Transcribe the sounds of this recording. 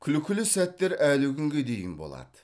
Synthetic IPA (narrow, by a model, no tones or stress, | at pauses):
kʲʰʏlɪkʲɪlɪsæt̪ːe̞ɾælɪkʲʰʏŋɡʲe̞d̪e̞jɪ̰nbo̞̰lˠɑ̰d̪ə